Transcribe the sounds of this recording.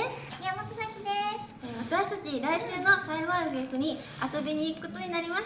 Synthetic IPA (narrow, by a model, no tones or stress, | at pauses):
jamat̪asakʲid̪es | eβat̪aɕi̥t̪at͡ɕiɾaiɕɨːno̞k̪aiβaːŋɡeːɸɯ̟ɲ̟i | aso̞be̞ɲ̟iːkɯ̟̥ko̞t̪o̞ɲ̟inaɾʲimas